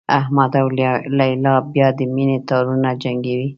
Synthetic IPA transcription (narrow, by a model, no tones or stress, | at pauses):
ahmad̪awllajlɑbjɑd̪əminet̪ɑɾunad͡ʒaŋɡewi